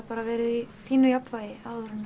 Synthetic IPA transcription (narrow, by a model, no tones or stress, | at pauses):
paːɾaʋɛːɾɪðifiːnʏjapvajɪaːwðʏɾʏnː